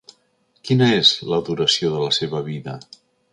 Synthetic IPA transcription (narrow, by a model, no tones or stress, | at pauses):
kinəezləðuɾəsioðələseβəβ̞iðə